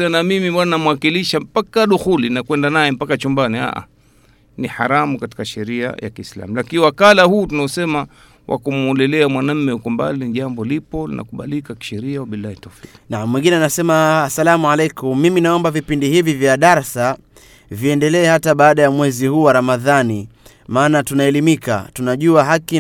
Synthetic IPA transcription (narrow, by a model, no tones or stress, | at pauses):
namimiɓananamuwakiliʃam̩pakaɗuxulinakwɛndanajɛm̩pakat͡ʃumbania̰ʔa̰ | niħaɾamukati̥kaʃɛɾia̰ja̰kiːsla̰mulakiniwakalahuːtunaɔsɛma | wʔa̰kumɔlɛlɛamwanam̩mɛhukɔmba̰liniʄambɔlipɔlḭnʔa̰kuɓa̰likaki̥ʃɛɾiawaɓilahitɔfiknamwiŋɡinɛanasɛmaːsalamualɛjkummiminaɔmbavipindihivivjaɗaɾasa | viɛndɛlɛːhataɓaːɗajamwɛzihuːwaɾamaðani | maːnatunaɛlimika̰tunaʄuaɦaki